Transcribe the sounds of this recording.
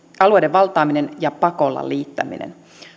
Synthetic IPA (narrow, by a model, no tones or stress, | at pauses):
ɑluejdeʋʋɑlt̪ˑɑːminenjɑpɑko̞lːɑ̰liːt̪ːæ̰mḭnḛn